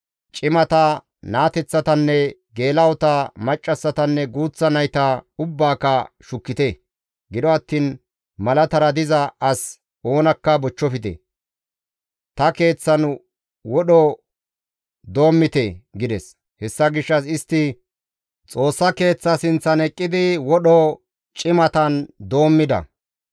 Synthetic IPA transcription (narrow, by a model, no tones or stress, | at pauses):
t͡ʃʼɪmɐt̪ɐ | naːt̪ɛt͡sːɐt̪ɐnːɛɡe̞ːlɐwɔt̪ɐmɐt͡ʃʼːɐsːɐt̪ɐnːɛɡuːt͡sːɐnɐjt̪ɐʊbːaːkːɐʃʊkːɪt̪ɛ | ɡɪd̪ɔɐt̪ːiːn | mɐlɐt̪ɐɾɐd̪ɪzɐɐs | o̞ːnɐkːɐbɔt͡ʃːɔfɪt̪ɛ̰ | t̪ɐke̞ːt͡sːɐn | wɔɗɔ | d̪o̞ːmːɪt̪eɡɪd̪ɛs | hɛsːɐɡɪʃːɐsɪst̪ːɪ | t͡sʼo̞ːsːɐke̞ːt͡sːɐsɪnt͡sːɐnɛkʼːɪd̪ɪwɔɗɔ | t͡ʃʼɪmɐt̪ɐnd̪o̞ːmːɪd̪ɐ̰